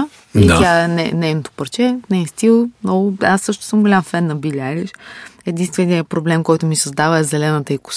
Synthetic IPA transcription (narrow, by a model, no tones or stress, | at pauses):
it̪ʲaɛnɛ̰nɛjnot̪o̥pɐɾt͡ʃɛnɛist̪ilˠmnɔɡʊasːɤʃt̪ʊ̥sɤmɡolʲamfɛnːɐbilʲalʲiʃɛd̪inst̪vɛniəpɾoblɛmkɔjt̪ʊmisɐzd̪avəɛzɛlɛnət̪əikʊ̥s